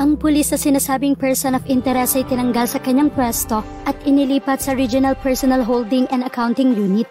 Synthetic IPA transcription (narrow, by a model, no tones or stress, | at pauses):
ʔɐŋpʊlisnɐsɪnaːsaːbɪŋpɛɹsonofɪnt̪ɛɾɛsɐjt̪ɪnɐŋɡɐlsɐkɐɲːaŋpwɛst̪o̞ | ʔɐt̪ʔɪnɪliːpɐt̪̚sɐɾid͡ʒʊnɐlpɛɹsonɐlɦowld̪ɪŋɛnd̪ɐkawnt̪ɪŋjuːnɪt̪̚